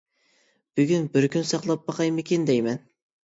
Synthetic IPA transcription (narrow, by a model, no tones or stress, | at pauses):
b̥yɡʲynbɪɾkʲynsɑqlˠɑp̚bɑqɑjmɪkʲʰend̪ɛjmɛn